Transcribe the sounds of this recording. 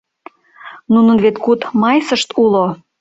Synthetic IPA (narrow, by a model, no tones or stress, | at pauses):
nunənβet̪kut̪mɑjsəʃt̪ulo